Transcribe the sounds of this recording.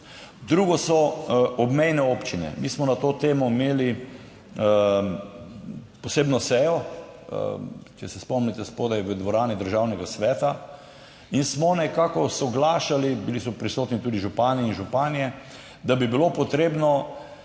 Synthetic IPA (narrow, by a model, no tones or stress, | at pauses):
d̪ɾuɡɔsɔɔbmɛjnɛopt͡ʃinɛ̰miːsmɔnat̪oːt̪eːmɔimeːli | pɔseːbnɔsɛjɔ̰ | t͡ʃɛsɛspɔmnit̪ɛspod̪ajʋəd̪ʋɔɾaːnid̪əɾʒawnɛɡasʋɛːt̪a | insmɔnɛkaːkɔsɔɡlaːʃalibilisɔpɾisoːt̪nit̪ud̪iʒupaːnɛinʒupaːnijɛ | d̪abibilopɔt̪ɾeːbnɔ